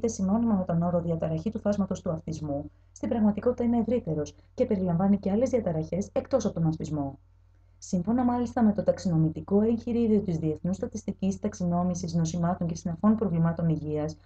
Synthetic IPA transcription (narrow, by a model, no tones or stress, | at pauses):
t̪e̞sino̞nimɐme̞t̪ono̞ɾo̞ðiɐt̪ɐɾɐçit̪uθɐzmɐt̪o̞st̪uɐfθizmu | st̪ibɾɐɣmɐt̪iko̞t̪it̪ɐine̞ːvɾit̪e̞ɾo̞sce̞pe̞ɾilɐɱvɐnice̞ɐle̞zðiɐt̪ɐɾɐçe̞se̞kt̪o̞sɐpo̞t̪onɐfθizmo̞ | siɱfo̞nɐmɐlist̪ɐme̞t̪o̞t̪ɐksino̞mit̪iko̞e̞ɲçiɾiɾio̞t̪izðie̞θnust̪ɐt̪ist̪icist̪ɐksino̞misizno̞simɐt̪o̞ɲce̞sinɐfo̞npɾo̞vlimɐt̪o̞niʝiɐs